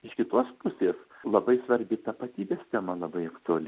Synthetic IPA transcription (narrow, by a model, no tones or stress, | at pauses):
ɪʃkʲɪt̪oːspʊsʲeːslˠɐbɐɪsʋɐɾʲbʲɪt̪ɐpɐt̪ʲiːbʲeːst̪ʲɛmɐlˠɐbɐɪɐkt̪ʊɐlʲɪ